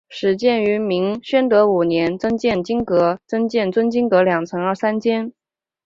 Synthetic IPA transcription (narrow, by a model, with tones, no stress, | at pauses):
ʂɻ̩˧˥t͡ɕjɛ˥˩ny˧˥mi˧˥ŋɕɥɛ˥nt̪ɤ˧˥u˨˩njɛ˧˥nt͡sɤ˥ŋt͡ɕjɛ˥˩nt͡ɕi˥ŋkɤ˧˥t͡sɤ˥ŋt͡ɕjɛ˥˩nt͡swə˥nt͡ɕi˥ŋkɤ˧˥ljɑ˨˩ŋt͡sʰɤ˧˥ŋə˞˥˩sa˥nt͡ɕʰjɛ˥n